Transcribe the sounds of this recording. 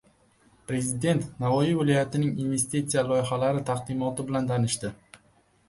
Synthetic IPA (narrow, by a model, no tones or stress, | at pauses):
pɾe̞zɪd̪e̞nt̪navɒjivɪlˠɒjat̪ɪnɪŋinve̞st̪it̪sijalˠɒjɪχalaɾɪt̪ʰaqd̪ɪmɒt̪ɪbɪlant̪ʰanɪʃt̪ɪ